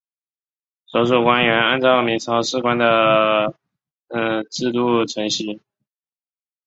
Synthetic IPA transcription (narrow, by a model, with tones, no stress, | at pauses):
ʂo˧˥ʊʂu˨˩kwa˥nɥɛ˧˥na˥˧nt͡sɑ˥˩ʊmi˧˥ŋt͡sʰɑ˧˥ʊʂɻ̩˥˩kwa˥nd̪ə˨˩˧ | ʈ͡ʂɻ̩˥˧t̪u˥˩ʈ͡ʂʰɤ˧˥ŋɕi˧˥˩